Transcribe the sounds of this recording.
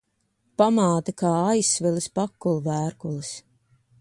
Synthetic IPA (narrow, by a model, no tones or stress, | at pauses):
pamaːt̪akaːajsːvilˠɨspakːulˠuvæːɾkulˠɨs